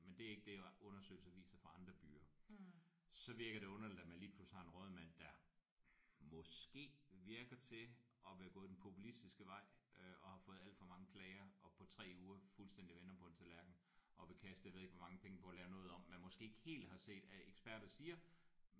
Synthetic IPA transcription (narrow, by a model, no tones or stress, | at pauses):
mend̥e̝æɐe̝ɡ̥əd̥e̝ɔ̽nɐsø̰ːɪl̩sɐʋḭːsɐfɑ̈ɑ̈nd̥ʁɐb̥y̰ːɐ | sɒ̽ʋiɐɡ̥ɐɾ̥e̝ɔ̽nɐlid̥æmænliːpʰlushɑ̈e̝nʁɔːð̞̩ˠmæn̰d̥æ | mɒ̽sɡ̥e̝̰ːʋiɐɡ̥ɐt͡sʰe̝ʔɒ̽ʋe̝hæɡ̥ɔ̽ːð̩ˠdenpʰo̝pʰulisd̥isɡ̥əʋɑ̈ɪ̰øʔɒ̽hɑ̈fɔ̽ːð̞̩ˠæl̰d̥fɒ̽mɑ̈ŋəkʰlɛːɪɐɒ̽pʰɒ̽t͡sʰʁɛ̰ːuːɐfulsd̥endiʋenɐmpʰɔ̥̽nt͡sʰelʋæɐɡ̥n̩ | ʔɒ̽ʋe̝kʰæsd̥əjɑʋe̝ðˠeɡʋɒ̽mɑ̈ŋəpʰeŋəpʰɒ̽ɒlɛːʊnɔ̽ːð̞̩ˠɒ̽m̰ːænmɒ̽sɡ̥e̝̰ːeɡ̥he̝̰ːld̥hɑ̈se̝̰ːd̥æeɡ̥sb̥æɐ̰ɾ̥ɐsiːɐ